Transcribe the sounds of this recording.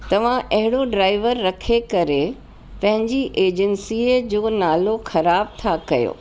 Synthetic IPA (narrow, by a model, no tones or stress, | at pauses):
t̪ɐʋ̤ãʔɐɦɪɽoɖɾaːɪʋəɾːɐkʰekɐɾe | pɐ̃ɦɪ̃ɲd͡ʑiʔeːd͡ʑənsiːəd͡ʑoːnaːloxɐɾaːb̚t̪ʰakɐjo̰ː